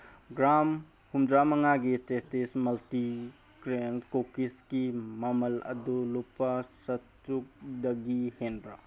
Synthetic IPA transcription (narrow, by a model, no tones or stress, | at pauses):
ɡɾam | humdɾamɐŋaɡitestesmɐlti | ɡɾenkokiskimɐmɐlɐ̰dulupːɐsɐt | ɾuk̚dɐɡihenbɾa